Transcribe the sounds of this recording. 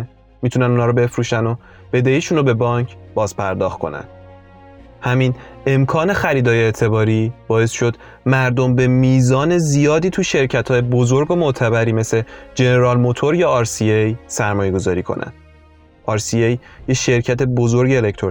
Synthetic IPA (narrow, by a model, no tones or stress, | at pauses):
mit̪ʰunænuːnhɒːɾɔbe̞fɾuːʃæno | b̥e̞d̪eiːʃuːnobe̞bɒːɲcʰb̥ɒːzpʰæɾd̪ɒːxt̪̚kʰo̞̰næ̰n | hæmiːn | e̞mkʰɒːne̞xæɾiːd̪ɒːjeet̪ʰe̞bɒːɾiːb̥ɒːe̞sʃo̞d̪ | mæɾd̪o̞mbe̞miːzɒːne̞zijɒːd̪iːt̪ʰuʃeɾcʰæt̪hɒːjebozo̞ɾɡomot̪ʰæβæɾiːme̞se̞d͡ʒe̞ne̞ɾɒːlmo̞t̪ʰo̞ɾjɒːɾsiejsæɾmɒːje̞ɡo̞zɒːɾiːkʰo̰nʔæ̰n | ʔɒːɾsiejjeʃe̞ɾcʰæt̪ʰe̞bo̞zo̞ɾɟeːlekt̪ʰo